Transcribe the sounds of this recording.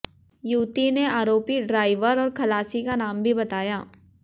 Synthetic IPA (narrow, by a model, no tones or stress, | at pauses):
juːt̪ineaːɾoːpiɖɾaːɪʋəɾɔːɾkʰɐlaːsikanaːmbʱibɐt̪aːjaː